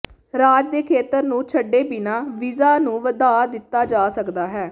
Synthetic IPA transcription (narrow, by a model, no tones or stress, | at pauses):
ɾaːd͡ʒd̪eːkʰeːt̪əɾnũːt͡ʃʰəɖːeːbɪnaːʋɪzaːnũːʋəd̪aːd̪ɪt̪ːaːd͡ʒaːsəkd̪aːɦɛː